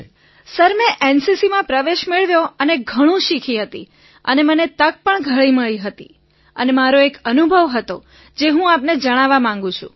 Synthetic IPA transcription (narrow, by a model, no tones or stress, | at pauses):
səɾmẽʔensisimãpɾəʋeʃmeɭʋjoəneɡʱəɽ̃ũʃikʰiɦət̪i | ə̰nemənet̪ək̚pəɳɡʱəɭiməɭiɦət̪ḭ | ənemaɾoekənubʱəʋɦət̪o | d͡ʒeɦũapned͡ʒəɽ̃aʋamãŋɡũt͡ʃʰṵ̃